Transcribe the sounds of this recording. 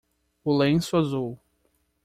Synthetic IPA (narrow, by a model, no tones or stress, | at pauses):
ʊlẽsʊazuw